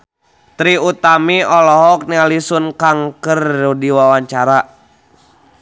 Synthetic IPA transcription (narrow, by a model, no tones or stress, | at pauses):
t̪ɾiut̪amiɔlɔɦɔk̚nialisunkaŋkərːudiwawaɲt͡ʃaɾa